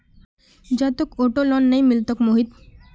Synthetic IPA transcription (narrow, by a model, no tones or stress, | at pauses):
d͡ʑat̪okoʈolɔnːejmilt̪okmoɦid̪